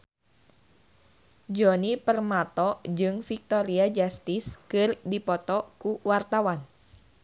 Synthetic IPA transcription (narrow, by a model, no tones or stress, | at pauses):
d͡ʒonipərmat̪ɔd͡ʒɨŋfik̚t̪ɔɾiad͡ʒast̪iskɨrdipɔt̪ɔkuwart̪awan